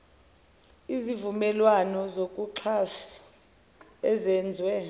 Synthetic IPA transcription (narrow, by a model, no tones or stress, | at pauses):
izivumɛlwanɔzokʼuǁʰasi̥ | ɛzɛnd͡zʱwɛ